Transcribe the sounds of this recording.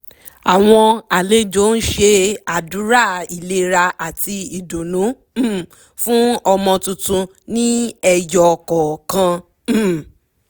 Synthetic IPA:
a˨w̃ɔ̃˧a˨le˨˦d͡ʒo˦n̩˦ʃe˧a˨du˨˦ɾa˦˨i˨le˧ɾa˧ʔa˨ti˧i˨do˨nũ˨˦˨ | fũ˦ɔ˧mɔ̃˧tũ˧tũ˧ | nĩ˦ɛ˧jɔ˨kɔ˨kã˧˨

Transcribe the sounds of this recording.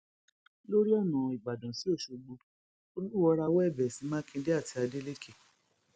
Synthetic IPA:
lo˦ɾi˦ɔ˦˨nã˨i˨ɡ͡ba˨dɔ̃˨si˨˦o˦˨ʃo˧ɡ͡bo˧˦ | o˧lu˦˨wɔ˧ɾa˧wɔ˦ɛ˦˨bɛ˨si˨˦mãː˦kĩ˧de˦a˦˨ti˧a˧de˦le˦ke˦˨

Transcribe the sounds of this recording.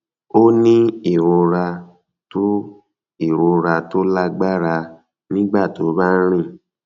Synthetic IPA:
o˦nĩ˦e˦˨ɾo˧ɾa˧ | to˦ | i˦˨ɾo˨˧ɾa˧to˦la˦ɡ͡ba˦ɾa˧ | nĩ˦ɡ͡ba˦˨to˨˦ba˦ɾ̃ĩ˦˨

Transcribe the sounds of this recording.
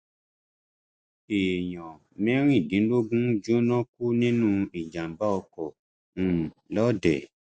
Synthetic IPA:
e˨jɔ̃˨ | mɛ̃˦ɾ̃ĩ˦˨dĩ˨˦lo˦ɡũ˦d͡ʒo˦nɔ̃˦ku˦nĩ˦nũ˦i˨d͡ʒã˨ba˦ɔ˧kɔ̃˨ | lɔ˦dɛ˨

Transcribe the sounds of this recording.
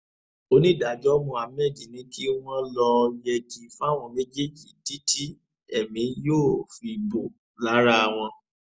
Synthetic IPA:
o˦nĩ˦da˨d͡ʒɔ˦mũ˧˨a˨mɛ˦˨d͡ʒi˨nĩ˨˧ki˦w̃ɔ̃˦lɔ˧jɛ˧d͡ʒi˨fũ˦a˦˨w̃ɔ̃˧mɛ̃˦d͡ʒe˦˨d͡ʒi˨di˨˦ti˦ | ɛ˦˨mĩ˨˦joː˦˨fi˧bo˨ | la˨˦ɾa˦˨w̃ɔ̃˧

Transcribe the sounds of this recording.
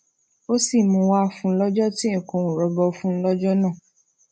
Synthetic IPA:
o˦si˦˨mũ˨˧˦wa˦˨fũ˧˦lɔ˦d͡ʒɔ˦tĩ˦˨kõ˧ũ˨ɾɔ˨˦bɔ˧fũ˦lɔ˦d͡ʒɔ˦nãː˦˨

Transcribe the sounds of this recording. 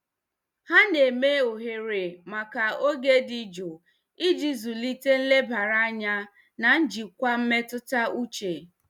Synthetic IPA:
ha˦ne˨me˦o˨ɦe˨ɾe˨ma˨ka˨o˦ɡe˦di˦d͡ʒo˨ | i˦d͡ʒi˦zu˨li˦te˦n̩˦le˦ba˨ɾa˦a˦ɲa˦ | na˨n̩˦d͡ʒi˨kʷa˦m̩˦me˦tʊ˦ta˦u˦t͡ʃe˨

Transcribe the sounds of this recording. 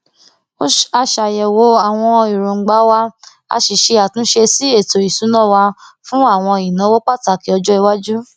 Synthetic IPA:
o˦a˧ʃa˨jɛ˨wo˧˦a˨w̃ɔ̃˧i˨ɾõ˨ŋ͡m̩˨ɡ͡ba˨˦wa˦ | a̰˧ʃi˨ʃe˧a˨tũ˨˦ʃe˧si˦e˦˨to˨i˨sũ˨˦nã˦˨wa˧fũ˦a˦˨w̃ɔ̃˧i˨nã˨˦wo˦k͡pa˦˨ta˧˨ki˨˦ɔ˧d͡ʒɔ˦i˧wa˦d͡ʒu˦

